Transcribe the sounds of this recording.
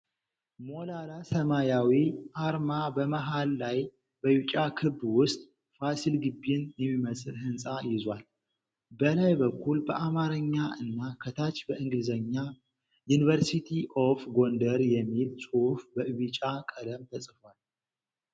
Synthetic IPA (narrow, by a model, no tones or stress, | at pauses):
mo̞lalasəmajawiʔaɾmabəməɦalːaj | bəjut͡ʃʼakʰɨbːwʊst̪ʼ | fasilɡɨbːinjɛmːiməsʼɨlhɨnsʼajɪzwal | bəlajbəkʰːulbəʔamaɾəɲːaʔɨnːakʰət̪ʰat͡ʃːbəʔɨŋɡɨd̪zəɲːa | junivəɾsit̪ʰiʔofɡo̞nd̪əɾjɛmːilsʼufbəʔɨβɨt͡ʃʼakʼəd̪əmt̪ʰəsʼfal